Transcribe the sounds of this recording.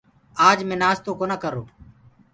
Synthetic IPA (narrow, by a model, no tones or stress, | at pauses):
aːd͡ʒmẽːnaːst̪oːkoːnakəɾoː